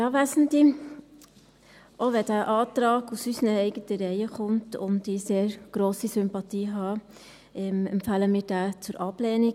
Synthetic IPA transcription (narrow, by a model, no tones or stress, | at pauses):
jɑːʋæsn̩di | ʔoʋɛd̥æːʔɑːtɾɑːɡusysənəɛɪɡətəɾɛɪəχʊmtʊ̰ndɪseːɾɡ̥ɾoːsisʏmpɑtiːɦɑː | ʔɛmɛmpfæːləmiːɾd̥æːt͡sʊɾʔɑb̥lɛːnik